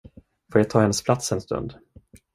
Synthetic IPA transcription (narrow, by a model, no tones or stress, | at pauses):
foːɾjat̪ʰɑːhɛnːəspʰlat̪sɛnst̪ɵ̰nd̪